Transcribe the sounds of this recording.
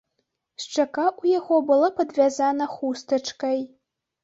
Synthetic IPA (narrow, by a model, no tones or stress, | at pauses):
ʃʈ͡ʂʰɐkʼaʔujaɣʷobɨlɐpʰɐd̪vʲazanɐχʷustʰɐʈ͡ʂʰkʼɐj